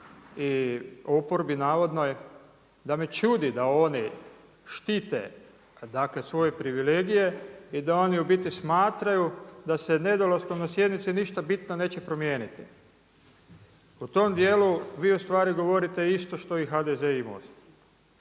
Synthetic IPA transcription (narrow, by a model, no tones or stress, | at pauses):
iopoɾbinaːʋo̞d̪no̞j | d̪ame̞t͡ʃud̪id̪ao̞ni | ʃt̪iːt̪e̞̰ | d̪akle̞sʋo̞je̞pɾiʋile̞ːɡije̞id̪ao̞niubit̪ismaːt̪ɾajud̪asene̞d̪olaskomnasje̞d̪nit̪siniʃt̪abit̪none̞ːt͡ɕe̞pɾo̞mjeːnit̪ḭ | ut̪o̞md̪je̞ːluʋiːust̪ʋaːɾiɡo̞ʋo̞ɾit̪e̞ist̪o̞ʃt̪o̞ixad̪ezeimo̰st̪